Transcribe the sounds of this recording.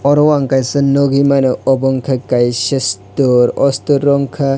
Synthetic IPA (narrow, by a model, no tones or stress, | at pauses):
ɔɾɔwaŋkajsɐnɔɡimanɯɔbɔŋkʰɐkajsestɔɾɔstuɾɔŋkʰɐ